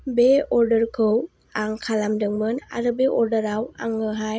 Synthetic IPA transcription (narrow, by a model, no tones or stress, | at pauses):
beɔɾdəɾkʰɯw | aŋkʰalamdɯŋmɯna̰ɾɯbeʔɔɾdəɾawa̰ŋɯɦaj